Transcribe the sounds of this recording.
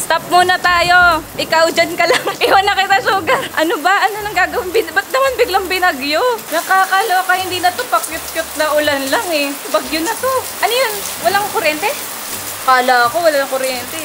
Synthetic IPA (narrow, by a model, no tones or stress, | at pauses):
st̪ɐp̚muːnɐt̪aːjo̞ʔɪkawd͡ʒankɐlaŋʔɪwanɐkɪt̪asuːɡɐɾʔɐnobɐʔɐnonɐŋɡaːɡɐwɪŋbɪnbɐt̪̚nɐmanbɪɡlɐŋbɪnɐɡjonɐkaːkaloɐkɐhɪnd̪iːnɐt̪opɐkjʊt̪̚kjʊt̪̚nɐʔʊlanlaŋɛbɐɡjʊnɐt̪oʔɐnojon | wɐlaŋkoɾɛnt̪ɛ | kaːlaɐkowɐlaɐŋkoɾjɛnt̪ɛ